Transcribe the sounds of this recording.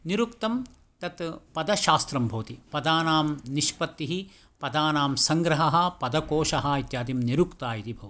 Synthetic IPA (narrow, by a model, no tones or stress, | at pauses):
niɾukt̪ɐm | t̪ɐt̪pɐd̪ɐʃaːst̪ɾɐmbʱoːt̪ipɐd̪aːnaːmniʃpɐt̪ːiɦi | pɐd̪aːnaːmsɐŋɡɾɐɦɐɦɐ̆pɐd̪ɐkoːʃɐɦɐit̪jaːd̪imniɾukt̪aːjit̪ibʱɐʋɐ